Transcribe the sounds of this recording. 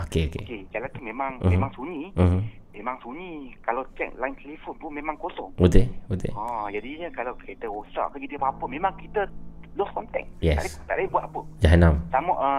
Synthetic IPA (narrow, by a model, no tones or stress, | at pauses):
okeokḛked͡ʒalant̪umẽmãŋmẽmmaŋsuɲĩm̩mẽmãŋsuɲĩkalawt͡ʃɛ̰k̚lajnt̪elifonp̪unmẽmãŋkosɔŋud̪eud̪ḛɔd͡ʒadiɲəkalawkit̪əwɔst̪ɾa̰ʔkəkit̪əpapəmẽmãŋkit̪əlɔskɔnt̪ɛ̰k̚jɛta̰dst̪a̰ʔlabuat̪apəd͡ʒaɦanamtamɔʔə